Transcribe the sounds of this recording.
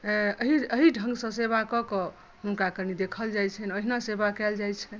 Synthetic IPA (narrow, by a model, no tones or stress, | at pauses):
əɦiəɦiɖʱə̃ŋɡsə̃sebakɔkɔ | ɦunkakənid̪ekʰəld͡ʒajt͡ʃʰɛnoɦinasebakɛld͡ʒajt͡ʃʰɛn